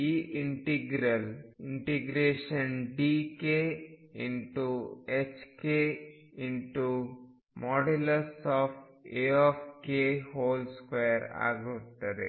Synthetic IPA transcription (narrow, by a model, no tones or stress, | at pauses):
iːʔiɳʈiɡɾɐliɳʈiɡɾeːʃɐnɖiːkeiɳʈuet͡ʃke | iɳʈu | mɔːɖelɐɾsaːpʈ | eɔːpʰkeːɦoːlskejɐɾa̰ːɡut̪ːɐɾḛ